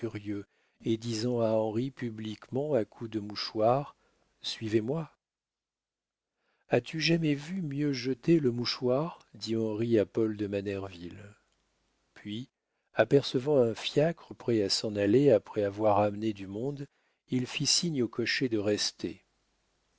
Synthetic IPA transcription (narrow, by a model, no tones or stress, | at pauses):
yʁjø | ed̪izɑ̃aɑ̃ʁipyblikmɑ̃akʰud̪əmuʃwaʁ | sɥivemwa | at̪yʒamɛvymjøʒət̪eləmuʃwaʁd̪iɑ̃ʁiapɔld̪əmanɛʁvil | pɥi | apɛʁsəvɑ̃ɛ̃fjakχəpχɛasɑ̃naleapχɛavwaʁamned̪ymɔ̃d̪ | ilfisiɲokɔʃed̪əʁɛst̪ʰe